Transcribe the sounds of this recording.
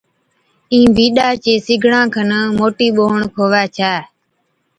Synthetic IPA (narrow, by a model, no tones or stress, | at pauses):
ĩːbiːɗaːt͡ʃeːsɪɡʱɳãːkʰənəːmoːʈiːɓoːɳkʰoːʋaːt͡ʃʰaː